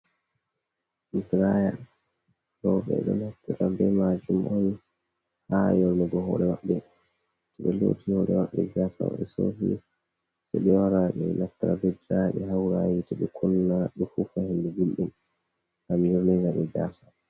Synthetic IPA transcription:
ʔdɾaja | lɔɓɛ̰ɗɔ̰nhaftiɾabɛmad͡ʒumʔɔn | hajɔɾmɛɡɔɦɔ̰ːɾɛwaɓːɛ | tɛɓɛlo̰ːtʰihɔːɾɛwa̰ɓɛ̰ɡasa̰w̰ɓɛsoɦḭ | sɛɗɛwaɾaɓɛnaftiɾa̰bɛdɾajaɓɛhawɾajitɛɓɛkʰunːaɗufufahindɛbilɗum | ʔamjɔɾninaɓɛbasa

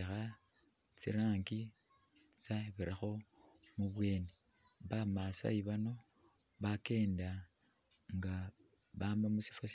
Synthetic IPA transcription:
xa | t͡sḭɾaːŋɡi | t͡saβiɾaxo̞muβwe̞ːne | βamasa̰iβano̞ | βake̞ːnda | ŋɡa | βaːmbamusi̥fos

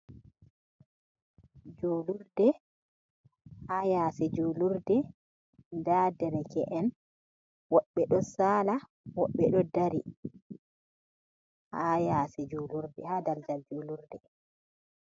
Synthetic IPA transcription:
d͡ʒoːluɾdɛ | hajaːsɛd͡ʒuːluɾdɛ | dadɛɾɛkɛ̰ʔɛn | wɔɓːɛɗɔsaːla | wɔɓːɛɗɔdaɾi | ʔajasɛd͡ʒuːluɾdɛhaːdald͡ʒald͡ʒoːluɾdɛ

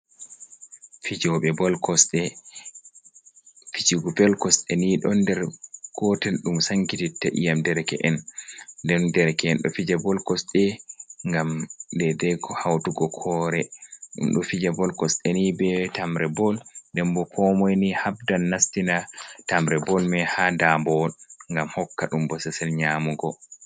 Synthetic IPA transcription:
fid͡ʒɔɓɛbɔlkɔsɗɛ | fid͡ʒiɡɔbɛlkɔsɗɛniɗɔndɛɾɡ̥ɔtɛlɗumsaŋkititːaʔḭjamdɛɾkɛ̰ʔɛnndɛndɛɾkɛɛnɗɔ̰fid͡ʒabɔlkɔsɗɛŋɡamdɛdɛkɔhawtuɡɔkʰɔɾɛɗṵmɗɔfid͡ʒabɔlkɔsɗɛnibɛtamɾɛbɔldɛmbɔkʰɔmɔjnihabdanːastinatamɾɛbɔlmɛhadambɔŋɡamhɔkːaɗumbɔsɛsɛlɲamuɡɔ

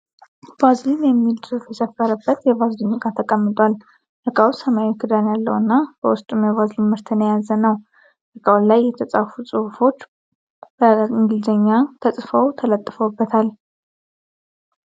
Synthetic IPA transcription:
b̥azlimjɛmːild̪ɨɾufjɛsəfːəɾəbːət̪jɛbazliɲɡat̪ʰəkʼəmːɨt̪ʼwal | ʔəkʼawsəmaikʰɨd̪anjalːəwɨnːab̥əwʊst̪ʼumjɛβazlimmɨɾt̪ʰənəjazənəw | ləkʼawlajːɛt̪ʰət͡sʼafusʼɨhfo̞t͡ʃː | b̥əɨŋɡɨlzəɲːat̪ʰəsʼfəwt̪ʰələt̪ʼːɨfəwbːət̪ʰal

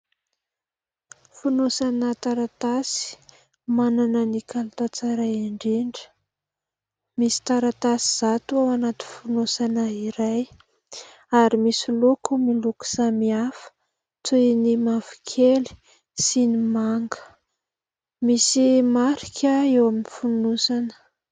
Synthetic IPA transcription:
funosanət̪aɾat̪asi̥ | mananənikalt̪at͡saɾaaɳɖ͡ʐeɳɖ͡ʐə̥ | misi̥t̪aɾat̪asiz̥at̪uawanat̪ifunosanaiɾaj | aɾimisilokumiluku̥samiafə̥ | t͡sunimafi̥kʰeli̥ | sinimaŋɡə̥ | misimaɾi̥kʰʲəewaminifunusanə̥

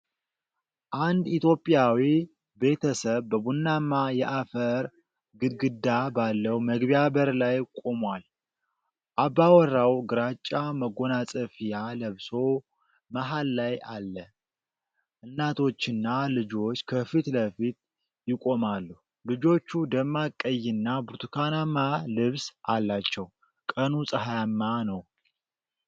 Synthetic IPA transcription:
ʔand̪it̪jo̞pʼjawi | be̞t̪ʰəsəβbəbunːamːajɛʔafəɾ | ɡɨɡɨd̪ːabalːəwməɡbijaβəɾlajkʼo̞mwal | ʔabːawɔrːawɡɨɾat͡ʃʼːaməɡo̞nasʼəfijaləβso̞ | maɦalːajalːə | ʔɨnːat̪ʰo̞t͡ʃːɪnːalɨd͡ʒo̞t͡ʃːkʰəfit̪ləfit̪ | jɪkʼo̞malːu | lɨd͡ʒo̞t͡ʃːud̪əmːakʼːəjːɪnːabuɾt̪ʰukʰanamːalɨβsʔalːat͡ʃːɛw | kʼənusʼəɦajamːanəw

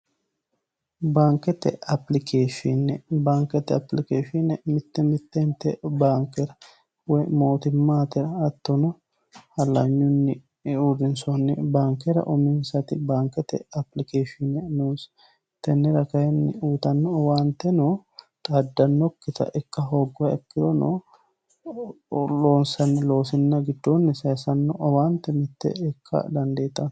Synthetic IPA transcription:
baːŋkːɛt̪ːɛ̰ɐplɪkʰeːʃɪnːɛbaːŋkɛt̪ːɛɐplɪkeːʃɪnɛmɪt̪ːɛmɪt̪ːɛnt̪ːɛbaːŋkːɛɾɐ | wɔjmo̞ːt̪ɪmːaːt̪ɛɾɐːt̪ːɔnɔ | hɐlːɐɲːʊnːɪ | udɪnsɔnːɪbaːŋkɛɾɐ̰ʔʊmɪnsɐt̪ɪbaːŋkːɛt̪ɛ̰ɐplɪkeːʃɪnɛnuːs | t̪ɛnːɛɾɐkɐjɛnːɪ̰uːt̪ɐnːɔɔwaːnt̪ːɛno | t̪ʼɐd̪ːɐnːɔkːɪt̪ɐ̰ʔɛkːɐɦoːɡːɔwɐɛkːɪd̪ɔno̰ | lo̞ːnsɐnːɪlo̞ːsɪnːɐɡɪd̪ːonːɪsesɐnːɔʔɐwaːnt̪ːɛmɪt̪ːɛ̰ɛkʰːɐ̰d̪ɐnd̪eːt̪ːɐn

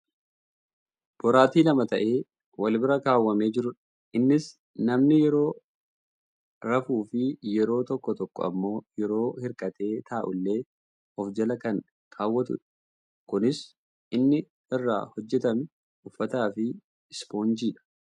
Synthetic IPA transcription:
b̥ɔɾaːt̪iːlɐmɐt̪ɐʔe̞ː | wɐlbɪɾɐkaːwːɐme̞ːd͡ʒɪɾʊᶑ | ʔɪnːɪs | nɐmnɪjɛɾo̞ː | ɾɐfuːfɪjɛɾo̞ːt̪ɔkːɔt̪ɔkːɔ̰ɐ̰mːo̞ːjɛɾo̞ːhɪɾkʼɐt̪e̞ːt̪ʰaːʔʊlːe̞ː | ɔfd͡ʒɐlɐkɐŋ | kʰaːwːɐt̪ʊ̰ᶑɐ | kʊnɪs | ʔɪnːɪ | ɪrːa̰ːhɔd͡ʒːɛt̪ɐmɪ | ʊfːɐt̪aːfɪ | ɪspo̞ːnd͡ʒiːᶑɐ̥

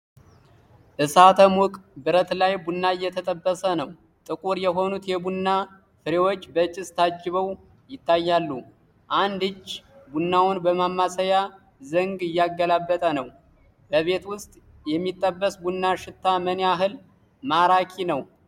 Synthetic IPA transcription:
ʔɨsat̪ʰəmʊkʼbɨɾət̪lajbunːaɪjːɛt̪ʰət̪ʼəbːəsənəw | t̪ʼɨkʼuɾjɛɦo̞nut̪jɛbunːa | fɨɾewo̞t͡ʃːbət͡ʃʼɪst̪ʰad͡ʒːɪβəw | jɪt̪ʰːajːalːu | ʔand̪ɨt͡ʃːbunːawʊnbəmamːasəja | zəŋɡɨjːaɡːəlabːət̪ʼənəw | bəβe̞t̪wʊst̪ʼ | jɛmːit̪ʼːəbːəsbunːaʃɪt̪ʰːamənaɦɨl | maɾakʰinəw

